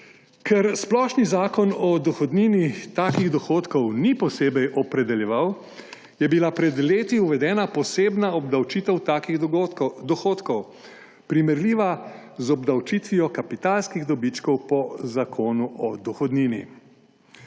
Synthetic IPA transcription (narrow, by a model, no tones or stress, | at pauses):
kʰɛɾsplɔːʃnizaːkɔnɔd̪ɔxɔd̪ninit̪aːkiɣd̪ɔxoːt̪kɔwnipɔseːbɛjʔɔpɾɛd̪ɛljɛʋaw | jɛbilapɾɛd̪leːt̪iuʋɛd̪ɛːnapɔseːbnaɔbd̪awt͡ʃiːt̪ɛw̪akiɣd̪ɔxoːt̪kɔw | pɾimɛɾliːʋa | zɔbd̪awt͡ʃit̪ʋijɔkapit̪aːlskiɣd̪ɔbit͡ʃkɔwpɔzakʰoːnuʔɔd̪ɔxɔd̪niːnḭ